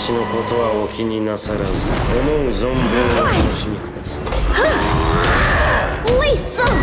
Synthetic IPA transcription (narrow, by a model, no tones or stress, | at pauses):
ɕino̞ko̞t̪o̞βaokʲiɲ̟inasaɾazɨomõzõmbɯ̟̃ot̪ano̞ɕimʲikɯ̟d̪asai | oiso